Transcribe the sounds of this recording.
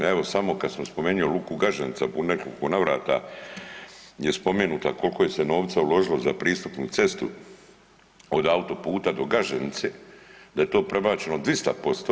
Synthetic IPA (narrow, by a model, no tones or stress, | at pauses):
eʋo̞samo̞kad̪smspo̞meːɲiolukuɡaʒenit̪sapunekolkonaʋɾaːt̪a̰ | je̞spo̞meːnuːt̪a̰ko̞lko̞je̞seno̞ːʋt̪saulo̞ʒilozapɾiːst̪upnut̪se̞st̪ṵ | od̪aut̪o̞puːt̪ad̪o̞ɡaʒenit̪seːd̪aje̞t̪o̞ːpɾe̞baːt͡ʃe̞nod̪ʋist̪a̰po̞st̪o